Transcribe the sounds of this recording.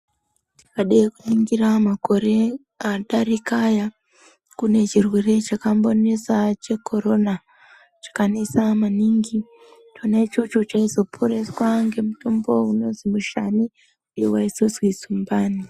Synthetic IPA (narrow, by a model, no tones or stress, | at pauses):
ti̥kaɗaekuniŋɡiramako̞ɾe̞ | aɗarikaja | kune̞t͡ʃirwe̞re̞t͡ʃakambo̞nesat͡ʃe̞ko̞ɾo̞na | t͡ʃḁkanesamaniŋɡi | tonat͡ʃot͡ʃot͡ʃaizo̞pʰoɾe̞swaŋɡe̞mutombo̞uno̞nzimuʃani | ujewaisozwizumbaːni